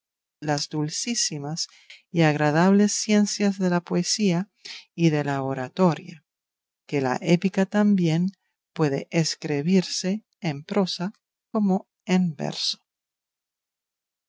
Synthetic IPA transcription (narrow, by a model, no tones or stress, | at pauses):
lazd̪ulsisimas | iaɣ̞ɾað̞aβlesːje̞nsjazðe̞lapoesia | iðe̞laoɾat̪o̞ɾja | kela̰ʔepikat̪ambjen | pwe̞ðḛʔeskɾiβ̞iɾse̞ː | mpɾo̞sa | ko̞mo | embḛɾso̥